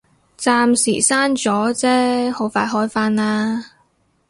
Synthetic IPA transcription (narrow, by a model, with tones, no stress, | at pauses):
t͡saː˧msḭː˨˩saː˥nt͡sɔː˨˥t͡sɛː˥ho˨˥wfaː˧jɦɔː˥jfaː˥naː˧